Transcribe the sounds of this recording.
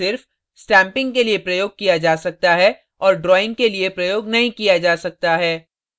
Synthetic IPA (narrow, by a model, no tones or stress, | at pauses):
ɪɾf | sʈɛ̃ːmpɪ̃ŋɡkeliepɾɐjoːɡ̚kijad͡ʒaːsɐk̚t̪aɦɛ | ɔːɾɖɾɔːɪ̃ŋɡkeliepɾɐjoːɡnɐɦĩkijad͡ʒaːsɐk̚t̪aɦɛː